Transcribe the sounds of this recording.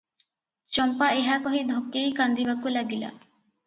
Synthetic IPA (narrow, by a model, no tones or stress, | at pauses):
t͡ʃɔmpaeɦakɔɦid̪ʱokːejkand̪ibakulaɡila̰